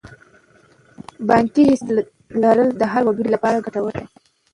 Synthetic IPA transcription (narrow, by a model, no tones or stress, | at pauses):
bɑŋkiɾist̪ | lɑɾəld̪əɦaɾwaɡiɽilapɑɾaɡaʈawəla